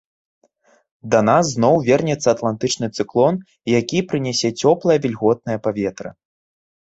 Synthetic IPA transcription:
d̪ɐnasːnɔwvʲɛrnʲɛt̪sːɐt̪lˠant̪ɨt͡ʂnɨt̪sɨklˠɔn | jakʲipɾɨnʲɛsʲɛt͡sʲɔplˠɐjɐvʲilʲɣɔt̪̚nɐjɐpavʲɛt̪ɾɐ̰

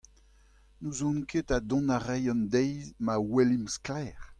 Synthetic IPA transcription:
nuzɔ̃nkʰetadɔ̃naʁɛjɑ̃nd̪ɛjzmawɛlimsklɛːʁ

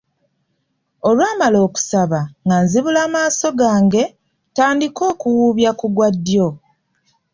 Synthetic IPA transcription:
o̞lwaːmalo̞ːku̥saβaŋɡanziβulaːmaːso̞ɡaːŋɡe̞ | taːndiko̞ːkuwuːβjakuɡwadːjo̞

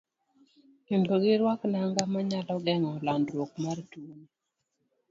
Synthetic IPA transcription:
kɪndoɡɪɾwaknaŋɡamaɲalɔɡɛŋɔlandɾwok̚martuni

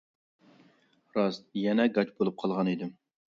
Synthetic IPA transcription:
ɾɑst̪jɛnɛɡɑt͡ʃbolˠup̚qʰɑlˠʁɑnid̪ɪm

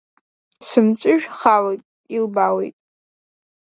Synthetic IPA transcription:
sɨmt͡sʷʼɨʒᶣχalotʼ | ilbawḛjtʼ

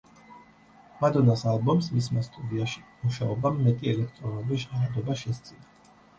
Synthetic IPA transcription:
mad̪ɔnasalˠbɔmsmismast̪ʼud̪iaʃi̥muʃaɔbamːɛt̪ʼiɛlɛk̚ʰt̪ʼɾɔnabɛʃaɾad̪ɔbaʃɛst̪sʼina

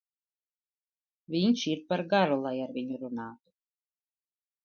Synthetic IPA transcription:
vʲiɲʃiɾpaɾɡaɾulˠajaɾvʲiɲuɾunaːt̪u̥

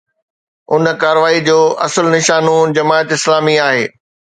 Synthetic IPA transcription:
ʊnkaːɾəʋaːid͡ʑoːʔɐsəlnɪʃaːnõd͡ʑɐmaːət̪ɪslaːmiaːɦḛː

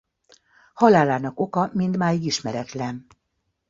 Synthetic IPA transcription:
hɒlaːlaːnɒko̞kɒmind̪maːjiɡiʃmɛɾɛt̪lɛn

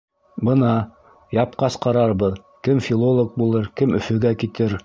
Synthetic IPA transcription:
bɤ̆nɑ | jɑp̚qɑsqɑɾɑɾβɤð | kɘmfʲilˠolˠok̚bulˠɤɾkɘmɵ̆fɵ̆ɡækit̪ɘɾ

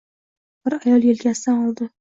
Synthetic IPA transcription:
b̥ɪɾajɒlˠjelkʲasd̪anɒlˠd̪ɪ

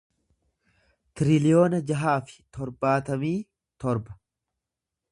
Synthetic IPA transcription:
t̪ɪɾɪlɪjo̞ːnɐd͡ʒɐɦaːfɪ̥t̪ɔɾbaːt̪ɐmiː | t̪ɔɾbɐ̥

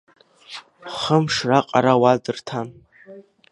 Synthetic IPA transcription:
χəmʂraqʼa̰ɾawadɨrtʰan

